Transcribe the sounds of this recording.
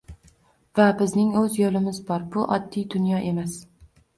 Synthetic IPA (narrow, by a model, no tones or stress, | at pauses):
vabɪznɪŋɵzjolɪmɪzbɒɾbʊʔɒd̪ːijd̪ʊnjɒʔe̞mas